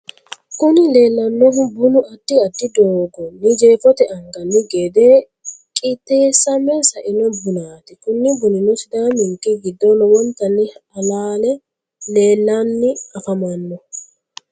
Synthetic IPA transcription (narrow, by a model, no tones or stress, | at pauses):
kʊnɪle̞ːlːɐnːɔɦʊbʊnʊʔɐd̪ːɪɐd̪ːɪd̪oːɡɔnɪd͡ʒeːfɔt̪ɛʔɐŋɡɐnːɪɡed̪eː | kʼit̪ːeːsːɐmːɛsɐʔɪnɔbʊnaːt̪ɪkʊnːɪbʊnɪnʊsɪd̪aːmɪŋkʼːɪɡɪd̪ːɔnɔwɔnt̪ɐnːɪɐlaːlɛ | leːlːanːɪɐfɐmɐnːɔ